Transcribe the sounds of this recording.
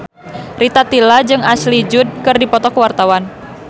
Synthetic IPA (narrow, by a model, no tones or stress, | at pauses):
rit̪at̪ilad͡ʒɨŋaslid͡ʒʊd̚kɨrdipɔt̪ɔkəwart̪awan